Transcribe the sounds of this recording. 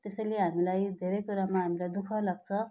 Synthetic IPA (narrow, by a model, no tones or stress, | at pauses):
t̪esʌjleɦamilajd̪ʱeɾejkuɾamaɦamilajd̪ukʰʌlaɡ̚t͡sʰʌ